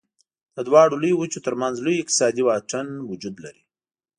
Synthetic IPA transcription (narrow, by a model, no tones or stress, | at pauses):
d̪̥əd̪wɑɽolujwut͡ʃot̪əɾmanzlujɪq̚t̪ɪ̥sɑd̪iwɑʈ͡ʂənwʊd͡ʒud̪laɾi